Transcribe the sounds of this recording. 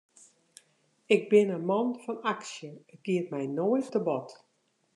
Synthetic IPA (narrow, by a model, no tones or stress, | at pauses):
ɪɡ̚bɪnəmɔnfɔnaksjəəɡ̥iətmɛjnojttəbɔt